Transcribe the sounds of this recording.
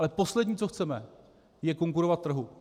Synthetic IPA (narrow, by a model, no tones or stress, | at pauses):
lɛpo̞slɛdɲiːt͡soxt͡sɛmɛ | jɛko̞ŋkuɾovat̪t̪ːr̩ɦu